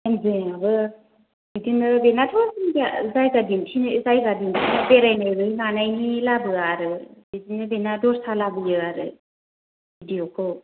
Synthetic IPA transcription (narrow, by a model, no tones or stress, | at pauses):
enzeabɯ | bidinɯbenadʰɔɾsinazajzadimtʰinzajzadimtʰinɯbeɾajnanɯjŋanajnilabɯaɾɯbidinɯbenadɔɾsalabɯjɯaɾɯ̰ | bidijokʰɯ